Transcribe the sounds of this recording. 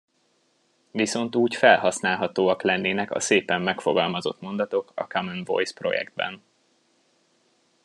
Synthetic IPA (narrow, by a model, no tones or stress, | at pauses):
viso̞nt̪uːcfɛlhɒsnaːlɦɒt̪oːɒklɛnːeːnɛkɒ̰seːpɛmːɛkfo̞ɡɒlmɒzo̞̰t̪mo̞nd̪ɒt̪o̞kɒ̰kɒmɛnvo̞̰jspro̞̰jɛ̰ɡd̪̚bɛ̰n